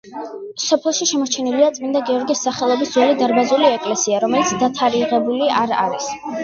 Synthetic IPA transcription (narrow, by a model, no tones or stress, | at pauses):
sɔpʰɛlˠʃiʃɛmɔɾt͡ʃʰɛniliat̪sʼmind̪aɡiɔɾɡisːaχɛlˠɔbisd̪zwɛlid̪aɾbazuliɛkʼlɛsiaɾɔmɛlit̪sʰd̪at̪ʰaɾiʁɛbuliʔaɾa̰ɾis